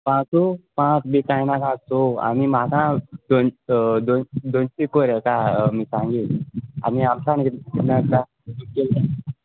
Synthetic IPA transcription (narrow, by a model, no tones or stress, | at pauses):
pãt͡sopãt͡sbikãjnãkãsoa̰mimakãd̪ond̪ond̪onsikoɾjəkãmiːsãŋɡia̰miamsaninəka | ikela